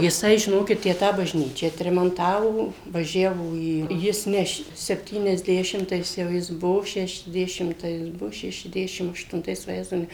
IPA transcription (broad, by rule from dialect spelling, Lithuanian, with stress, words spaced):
jɪˈsɐɪ ʒʲɪˈnoːkʲɪt ˈtʲæː ˈtɑː bɐʒʲˈnʲiːt͡ʃʲæː ɐtʲrʲɛmɐnˈtɑːʋoː ʋɐˈʒʲæːʋoː ˈiː ˈjɪs ˈnʲɛ ʃ sʲɛpʲˌtʲiːnʲɛzʲˈdʲæːʃʲɪmtɐɪs jɛʊ ˈjɪs ˈbuɔ ʃʲɛʃʲɛzʲˈdʲæːʃʲɪmtɐɪs ˈbuɔ ʃʲɛʃʲɛzʲˈdʲæːʃʲɪm ɐʃtʊnˈtɐɪs ʋɐˈjæːzɐʊ ˈnʲɛ